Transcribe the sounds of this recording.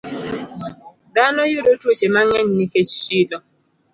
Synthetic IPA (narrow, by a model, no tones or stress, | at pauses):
danɔjoɾotwot͡ʃemaŋɛɲniket͡ʃʃidɔ